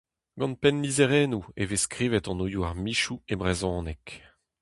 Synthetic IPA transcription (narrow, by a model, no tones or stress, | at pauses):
ɡ̥ɑ̃npɛnlizeʁɛːnueveskʁiːvɛt̪ɑ̃nujuaʁmiʃuebʁezɔ̃ːnɛk